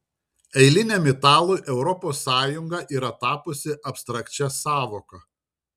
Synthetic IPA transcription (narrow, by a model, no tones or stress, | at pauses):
ɛɪlʲɪnʲɛmʲɪt̪ɑːlˠuʔɛʊɾɔpoːsːɑːjʊŋɡɐʔiːɾɐt̪ɑːpʊsʲɪʔɐpʲst̪ɾɐkʲt͡ʃʲɛsɑːʋoːkɐ